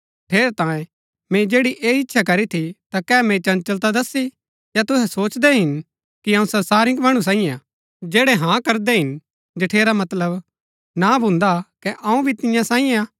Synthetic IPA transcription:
ʈʰeːɾet̪ãːjẽ | mẽd͡ʒeːɽiʔeːɪtːʃʰakɐɾit̪ʰit̪akɛːmẽt͡ʃɐ̃nt͡ʃɐlt̪ad̪ɐsi | jat̪ʊɦɛsoːt͡ʃd̪ɛɦɪn | kiɐ̃ũsɐɾsaːɾɪ̃ŋkmɐɽ̃ũs̬ãːĩjẽ | d͡ʒeːɽɛɦãkɐɾd̪eɦɪn | d͡ʒɐʈʰeːɾamɐt̪ləb | nabʱʊ̃nd̪akɛʔɐ̃ũbʱit̪ɪjãsãːĩjẽa

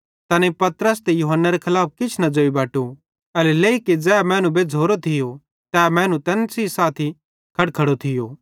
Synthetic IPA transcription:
t̪ɐnepɐt̪ɾəst̪ejuɦənːaɾekʰɐlaːp̚kɪt͡ʃʰnɐd͡ʒoːibaːʈu | ɐlɛleːiked͡zɛːmɛ̃ːnũbed͡zʱoːɾot̪ʰɪjo | t̪ɛːmɛ̃ːnũt̪ɛːnsisaːt̪ʰi | kʰɐɽkʰɐɽot̪ʰɪjoː

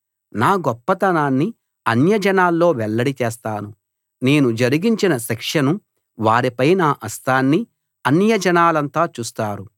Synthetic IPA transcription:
naːɡɔpːɐt̪ɐnaːnːi | ɐnjɐd͡ʒɐnaːlːo̞ːʋɛɭːɐɽit͡ʃɛːst̪aːnu | ne̞ːnud͡ʒɐɾiɡiɲt͡ʃinɐʃɛkʂɐnu | ʋaːɾipɐjnaːʔɐst̪aːnːi | ɐnjɐd͡ʒɐnaːlɐnt̪aːt͡ʃuːst̪aːɾu

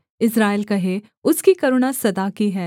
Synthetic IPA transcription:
ɪsɾaːɪlkɐɦe | ʊskikɐɾʊnasɐd̪akiɦɛː

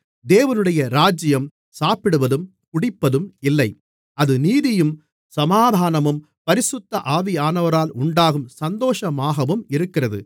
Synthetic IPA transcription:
d̪eːʋɐnɯɽɐjɐɾaːd͡ʒɪjɐm | saːpɪɽɯʋɐðɯm | kʊɽɪpːɐðɯmɪlːɐɪ | ɐðɯniːðɪjɯm | sɐmaːd̪ʱaːnɐmɯm | pɐɾɪsɯt̪ːɐʔaːʋɪjaːnɐʋɐɾaːlʊɳɖaːɣɯmsɐnd̪oːʂɐmaːɣɐʋɯmɪɾɯkːɪrɐðɯ̰

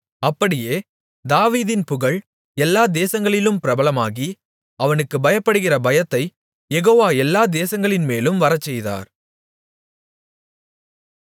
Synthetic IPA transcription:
ɐpːɐɽɪjeː | d̪aːʋiːðɪnpʊɣɐɭ | ɛlːaːd̪eːsɐŋɡɐɭɪlɯmpɪɾɐbɐlɐmaːɣi | ɐʋɐnɯkːɯbɐjɐpːɐɽɯɣɪrɐbɐjɐt̪ːɐɪ | jɛɣoːʋaːɛlːaːd̪eːsɐŋɡɐɭɪnmeːlɯmʋɐɾɐt͡ʃːɛjða̰ːɾ

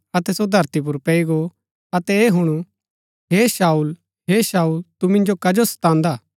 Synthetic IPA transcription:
ɐt̪ɛsod̪ʱɐɾt̪ip̬ʊɾpɛiɡo | ɐt̪ɛeɦʊɽ̃ũ | ɦeːʃaːuːl | ɦeːʃaːult̪umɪ̃nd͡ʒokɐd͡ʒosɐ̥t̪ãːnd̪aː

